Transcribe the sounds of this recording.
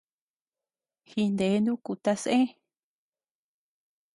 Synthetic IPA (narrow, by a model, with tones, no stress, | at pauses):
hi˧nd̪e˨˦nd̪ũ˦ku˧t̪a˧sʔẽ˦